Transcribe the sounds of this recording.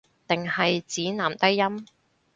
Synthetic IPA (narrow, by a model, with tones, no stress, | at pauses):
t̪ɪ˨ŋhɐ˨jt͡siː˨˥naː˨˩mt̪ɐ˥jːɐ˥m